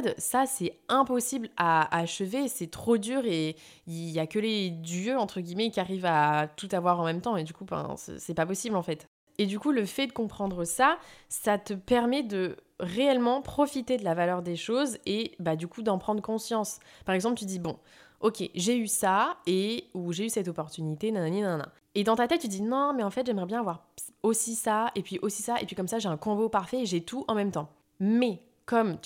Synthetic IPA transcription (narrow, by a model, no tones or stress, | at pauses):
d̪sasɛɛ̃pɔsiblaːʃəvesɛt̪χod̪yːʁe | ijakəled̪ɥøɑ̃t̪χəɡʲimɛkʲiaʁivat̪ut̪avwaʁɑ̃mɛmt̪ɑ̃ed̪ykufɛ̰̃ssɛpapɔsiblɑ̃fɛt̪ | ed̪ykuləfɛd̪əkɔ̃pχɑ̃d̪ʁəsasat̪əpɛʁmɛd̪ə | ʁeɛlmɑ̃pχɔfit̪ed̪əlavalœʁd̪eʃozebad̪ykud̪ɑ̃pχɑ̃d̪ʁəkɔ̃sjɑ̃spaʁɛɡzɑ̃plət̪yd̪ibɔ̃ | ɔkʲeʒeysaeuʒeysɛt̪ɔpɔʁt̪ynit̪enɛ̃ñninɛ̃nɛ̰̃ | ed̪ɑ̃t̪at̪ɛt̪̚t̪ːyd̪inɔ̃mɛɑ̃fɛt̪ʒɛmʁɛbjɛ̃avwaʁ | osisaepɥiʔosisaʔḛpɥikɔmsaʒeɛ̃kɔ̃bopaʁfɛeʒɛt̪ʰuʔɑ̃mɛmt̪ɑ̃ | mɛ | kɔmt̪